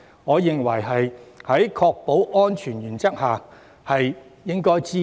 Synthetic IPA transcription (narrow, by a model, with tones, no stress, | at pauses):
ŋɔː˨˧jɪ˨ŋwɐ˨˩jɦɐ˨jhɐ˨˥jkʰɔː˧k̚po˨˥wʔɔː˥nt͡ʃʰyː˨˩njyː˨˩nt͡sɐ˥k̚haː˨ | hɐ˨jjɪ˥ŋkɔː˥jt͡siː˥